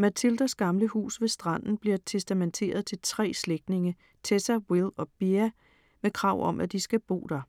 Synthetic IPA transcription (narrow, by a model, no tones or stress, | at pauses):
mæt͡sʰild̥æsɡ̥ɑ̈mləhṵːsʋe̝sd̥ʁɑ̈n̰n̩b̥liɐt͡sʰesd̥æment͡sʰe̝̰ːɐð̞ˠt͡sʰe̝lt͡sʰʁɛ̰ːsleɡ̥d̥ne̝ŋə | t͡sʰesæwilɒ̽b̥iæ | mekʰʁɑ̈ʊ̰ɒ̽mʔæd̥isɡ̥æb̥o̝̰ːd̥ɐ